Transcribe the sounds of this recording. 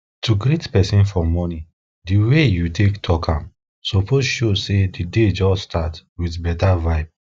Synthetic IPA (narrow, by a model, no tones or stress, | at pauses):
tʰuɡɾetpɛsĩnfɔmɔni | diwejutʰektʰɔkʰãm | sɔpozʃosedided͡ʒɔsstʰatwiθbɛtavaɪb̚